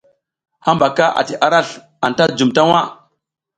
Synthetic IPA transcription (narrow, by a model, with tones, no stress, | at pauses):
ha˦mba˨ka˦ʔa̰˨ti˨ʔa˨ɾa˦˨ɬ | a˨nta˦d͡ʒu˨mta˦wa˦